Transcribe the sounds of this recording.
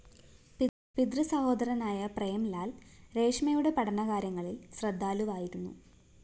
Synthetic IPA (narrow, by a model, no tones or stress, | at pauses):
pid̪rɨsɐho̞ːd̪ɐɾɐnaːjɐprejɐmlaːlɾe̞ːʂmɐjuɽe̞pɐɽɐɳɐkaːɾjɐŋːɐɭilsrɐd̪ʱːaːluʋaːjiɾunːṵ